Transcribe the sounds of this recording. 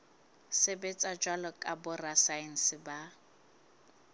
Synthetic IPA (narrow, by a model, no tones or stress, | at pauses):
sɪbɛt͡sʼad͡ʒwalɔkʼabʊrasaɛn̩sɪba